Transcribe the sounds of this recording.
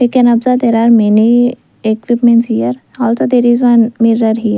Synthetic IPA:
ekenɐbzat̪eɾaɾmini | ekʋipmẽnsijɐɾ | aːlsɐd̪eɾizʋanmiɾɐɾɦi

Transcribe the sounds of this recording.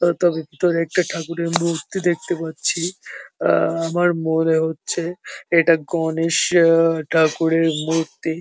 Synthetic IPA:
t̪ɔbebit̪oɾɛk̚ʈaʈʰakuɾeɾmɾuɾt̪id̪ek̚t̪epatːɕʰi | amaɾmoneɦotːɕʰeeʈaɡɔneʃʈʰakuɾeɾmuɾt̪i

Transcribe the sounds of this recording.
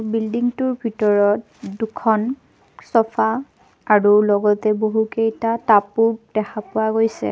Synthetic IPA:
bildiŋtuɹbʱitɔɹɔt | dukʰɔn | sɔpʰa | aɹulɔɡɔtɛboɦukejtatapʊk̚d̥ɛxʰapʊaɡojsɛ̰

